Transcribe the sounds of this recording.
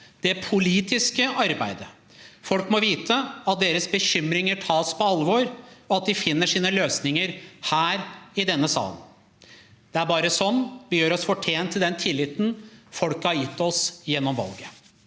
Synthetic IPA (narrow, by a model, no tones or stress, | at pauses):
d̪̥ɛpʰʊliːt̪ɪskəʔɑɾbæ̰ɪd̪ə | fɔlkmɔʋiːt̪ʰəɑt̪̚d̪eːɾəsbəçʏmːɾɪŋəʈʰɑːspʰɔɑlʋɔɾɔɑt̪̚d̪ɪfɪnːəʂiːnəløːsnɪŋəɾhæːɾɪd̪ɛnːəsɑ̰ːlə̰n | d̪̥ɛæɾbɑːɾəsɔnːʋɪjøːɾɔsfɔʈʰeːnt̪ʰːɪld̪ɛnt̪ʰɪlːɪt̪n̩fɔlkəhɑɾjɪt̪ːɔsjɛnːɔmʋɑ̰lɡə